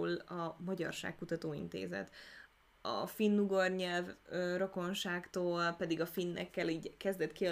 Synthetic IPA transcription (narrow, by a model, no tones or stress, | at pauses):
lɒmɒɟɒ̰rʃa̰ːkkːut̪ɒt̪oːḭnt̪ḛːzɛ̰t̪ | ɒ̰finːuɡorɲɛlvøːro̞ko̞nʃaːkt̪oːlpɛd̪iɡɒfinːɛ̰kːɛliːɟkɛzd̪ɛt̪kiɒ